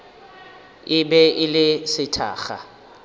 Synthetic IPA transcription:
ɪbɛʔɪlɪsɪtʰa̰ːχa̰

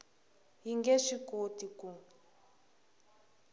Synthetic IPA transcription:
ɦiŋɡeʂikotiku

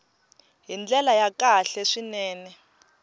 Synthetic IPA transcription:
ɦind͡ɮɛlajakaɬɛʂinɛːnɛ

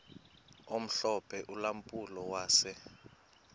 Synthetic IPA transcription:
om̩ɬɔpʰɛʔulam̩pʼulɔwaːsɛ

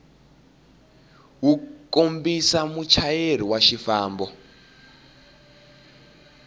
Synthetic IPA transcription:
wukombisamut͡ʃʰajeɾ̤iwaʃifaːmbɔ

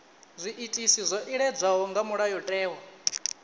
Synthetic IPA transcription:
zʷiʔːtʼisizʷɔʔiɺɛd͡zʷaɦɔŋɡamuɺajɔtʼɛːwa

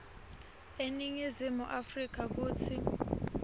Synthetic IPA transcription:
eniŋizimuʔafrik̬ak̬uːt͡sʰi

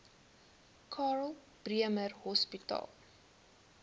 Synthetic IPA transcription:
kʰɑːrlˠ | b̥riəmərhɔspitɑ̰lˠ

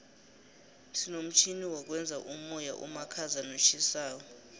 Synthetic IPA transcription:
sinom̩t͡ʃʰiniwɔk̬ʼwɛnd͡zʱaʔuɔja̰ʔṵmakʰazanot͡ʃʰisaːkɔ

